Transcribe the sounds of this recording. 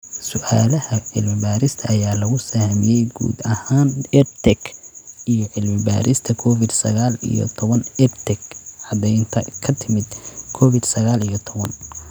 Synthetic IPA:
sʊʔaːlɐhɐʕɪ̰lmɪbaːɾɪst̪ʰɐʔɐjaːlɐɣʊsɐhmijɛjɡṵːd̪ɐhaːnɛbt̪ʰɛɡʔijɔʕɪlmɪba̰ːɾɪst̪ʰɐkʰɔːfɪd̪sɐ̰ɣaːlḭjɔ̰t̪ʰɔβɐnɛbt̪ʰɛɡʕɑd̪ɛjnt̪ʰɐkʰɐt̪ʰɪmɪd̪kʰɔːfɪd̪sɐɣaːlijɔt̪ʰɔβɐn

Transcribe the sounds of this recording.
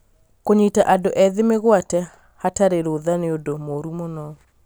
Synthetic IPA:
koɲetaʔadoʔɛðemeɣwatɛ | hataɾeɾoðaneodomoɾumonɔ

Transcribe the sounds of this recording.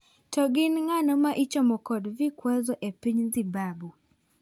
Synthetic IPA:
tɔɡɪnŋanɔmaʔit͡ʃɔmɔkɔdvikwazɔʔepiɲzibabu

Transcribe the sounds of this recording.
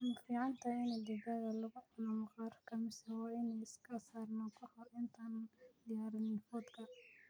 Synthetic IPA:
anɪd̪fiːʕɑnt̪ʰɐɪnɛd̪ɪɣɐðɐlɐɣʊʕɑlɐmqɑːɾkʰɐmɪsɛwɑːɪnɛjɪskʰɐsaːrnɔkʰɔħɔʔɪnt̪ʰand̪ɪjaːɾɐnɪnfɔd̪kʰɐ

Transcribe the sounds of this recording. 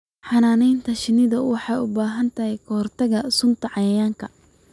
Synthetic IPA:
ħɑnaːnɛjnt̪ʰɐʃɪnɪðɐwɑħɑjʊbaːɦɐnt̪ʰɐɦɛjkʰɐhɔrt̪ʰɐɣɐsʊnt̪ʰɐʕɑjɐjaːŋkʰɐ

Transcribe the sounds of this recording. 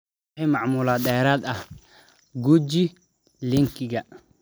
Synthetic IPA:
ħɛjmɑʕmʊːlaːd̪ɛːɾaːd̪ɐh | ɡud͡ʒi | lɪŋkʰɪɡɐ

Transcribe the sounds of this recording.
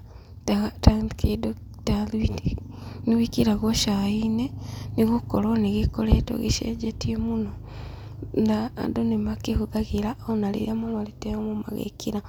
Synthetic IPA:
taɣatandkʰedo | talwitniwikiɾaɣoʃaineniɣokoɾoneɣekoɾeto̰ɣḛʃḛd͡ʒetiemuno | na̰ːdonemakehuðaɣeɾaonalḛɾeamomaleteomoma̰ɣḛkiɾa

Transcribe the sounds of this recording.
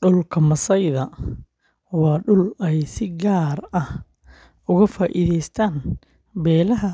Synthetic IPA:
ɖʊlkʰɐmɐsɐjðɐ | wɑːɖʊlɛjsɪɡaːrɐh | ʊɣɐfaːʔiðɛjst̪ʰaːn | bɛːlɐɦɐ

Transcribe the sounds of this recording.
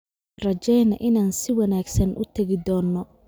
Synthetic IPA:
rɐt͡ʃɛjnɐʔɪnaːnsɪwɐnaːɡsɐnʔʊ̰t̪ʰɐɣɪd̪ɔːnːɔ

